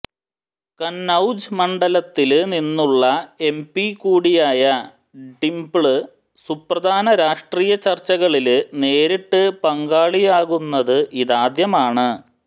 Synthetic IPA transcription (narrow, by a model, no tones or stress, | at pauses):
kɐnːɐwd͡ʑɨmɐɳɖɐlɐt̪ːilninːuɭːɐe̞mpikuːɽijaːjɐ | ɖimbɭɨ | suprɐd̪ʱaːnɐɾaːʂʈriːjɐt͡ɕɐrt͡ɕːɐɣɐɭilne̞ːɾiʈːɨpɐŋɡaːɭijaːɣunːɐðɨʔiðaːd̪jɐmaːɳɨ